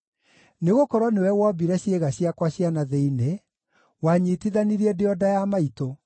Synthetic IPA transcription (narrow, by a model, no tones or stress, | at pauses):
neɣokɔɾwɔnewɛwɔbiɾɛɕjeɣaɕjakwaɕjanaðeine | waɲitiðaniɾiɛdeɔdajamaito